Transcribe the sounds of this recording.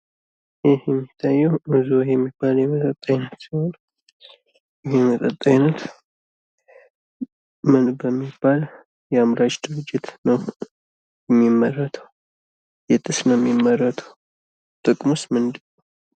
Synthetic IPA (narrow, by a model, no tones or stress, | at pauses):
ɛhjɛmːit̪ʰːajːɛwmɨzuwajɛmːibːaljɛmət̪ʼət̪ʼːaɲnːət̪sihon | jɪhemət̪ʼət̪ʼːaɲnət̪ | mɨnbəmːibːal | jɛamɾat͡ʃʼd̪ɨɾɨd͡ʒːɪt̪nəw | jɛmːimːərːət̪ʰəw | jɛt̪ʼɨsnəmːimːərːət̪ʰə̥w | t̪ʼɨkʼmust̪mɨnd̪ɨnːəw